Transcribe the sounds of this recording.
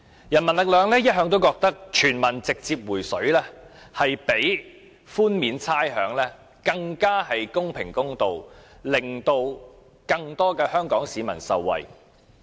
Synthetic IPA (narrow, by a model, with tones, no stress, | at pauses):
jɐ˨˩nmɐ˨˩nlɪ˨k̚lœː˨˧ŋlɛː˥jɐ˥t̚ɦœː˧ŋt̪o˥wkɔː˧k̚t̪ɐ˥k̚t͡ʃʰyː˨˩nmɐ˨˩nt͡sɪ˨k̚t͡siː˧p̚wuː˨˩jsɵ˨˥ɥlɛː˥ | hɐ˨jpe˨˥j | fuː˥nmiː˨˧nt͡sʰaː˥jɦœː˨˧ŋlɛː˥ | kɐ˧ŋkaː˥hɐ˨jkʊ˥ŋpʰɪ˨˩ŋkʊ˥ŋt̪o˨wlɪ˨˩ŋt̪o˧w | kɐ˧ŋt̪ɔː˥kɛː˧hœː˥ŋkɔː˨˥ŋsiː˨˧mɐ˨˩nsɐ̰˨wːɐ̰˨˩j